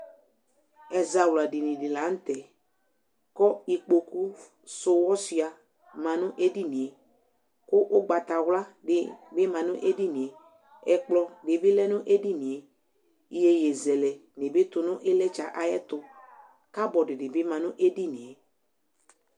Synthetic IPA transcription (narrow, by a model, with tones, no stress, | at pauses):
ɛ˨za˨wla˨dɪ˨nĩ˨dɪ˨la˨˦n̩˦t̪ɛ˨ | kɔ˦i˨k͡po˨ku˦ | sʊ˨wɔ˦si˨a˨ | mã˨nʊ̃˦ʔe˦di˦nĩ˨e˨ | kʊ˦ʔʊ˦ɡ͡ba˨t̪a˨wla˦dɪ˨bɪ˦mã˨nʊ̃˦ʔe˦di˦nĩ˨e˨ | ɛ˨k͡plɔ˨dɪ˨bɪ˦lɛ˦nʊ̃˦ʔe˦di˦nĩ˨e˨ | i˨˦je˦jɛ˨zɛ˨lɛ˨nɪ˨bɪ˦t̪ʊ˨nʊ̃˦ʔɪ˦lɛ˦t͡ʃa˨ʔa˨jɛ˦t̪ʊ˨ | ka˦bɔ˨dɪ˨dɪ˨bɪ˦mã˨nʊ̃˦ʔe˦di˦nĩ˨e˨